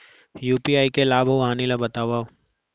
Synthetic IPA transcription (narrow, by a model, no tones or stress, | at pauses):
juːpiaːikelaːbʱoʋɦaːnilabət̪aːʋaː